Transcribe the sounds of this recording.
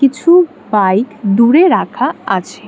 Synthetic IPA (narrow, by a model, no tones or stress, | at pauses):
it͡ɕʰu | bajkd̪uɾeɾakʰaat͡ɕʰe